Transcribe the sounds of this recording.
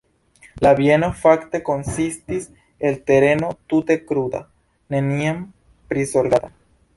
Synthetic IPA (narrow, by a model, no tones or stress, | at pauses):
laβjenofakt̪ekonsist̪is | elt̪eɾenot̪ut̪ekɾud̪a̰ | neniem | pɾisolɡaða